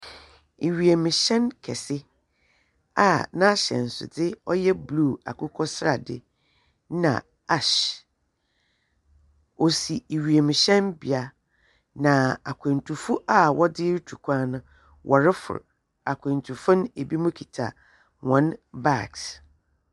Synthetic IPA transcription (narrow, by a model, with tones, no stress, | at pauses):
i˨ɥi˨e˨mɪ̃˨ɕɛ̃˦nkʰɛ̰˨sɪ˦ | a˨nã˦ɕɛ̰̃˨n̩˨sʊ̰˨dɪ˦ɔ˦jɛ˦bluː˦˨a̰˨kʰʊ˦kʰɔ˦sɾa̰˨dɪ̰˦ | nã̰˨ | a˦ɕ | o˨si˨i˨ɥi˨e˨mɪ̃˨ɕɛ̃˦nbi˨a˦ | nã˨a˨kʰʷɛ̃˨ntʰu˨fʊ˦ʔa˦˨wɔ˦dɪ˦ɾtʰu˨kʰʷã˦nʊ̃˦ | wʔɔ˨ɾɪ˦fʊ̰˨ɾ | a˨kʷʰẽ˨n˨tʰu˨fʊ̃˦ne˨bi˦mʊ̃˦kʰi˨tʰa̰˨ | wɔ̃˦nba˦˨ks